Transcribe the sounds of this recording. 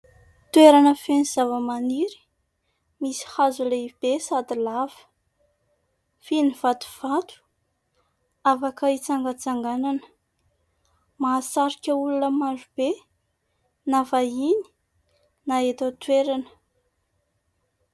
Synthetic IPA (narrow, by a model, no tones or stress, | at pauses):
t̪weɾanəfeniz̥avəmaniɾi̥ | misi̥hazuleib̥esad̪ilav̥ə̥ | finiv̥at̪u̥v̥at̪u̥ | avakait͡saŋɡət͡saŋɡananə | maːsaɾikʲəulunəmaʐub̥e | navaini̥ | naet̪ət̪weɾanə̥